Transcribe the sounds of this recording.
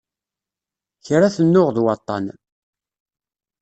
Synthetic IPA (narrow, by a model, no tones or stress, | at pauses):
çɾaθənːʊʁðwɑt̪ˤːɑ̰n